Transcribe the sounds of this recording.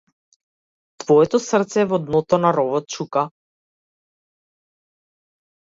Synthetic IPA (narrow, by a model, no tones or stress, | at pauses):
t̪vɔɛt̪ɔsr̩t̪sɛːvɔd̪nɔt̪ɔnaɾɔvɔt̪̚t͡ʃuka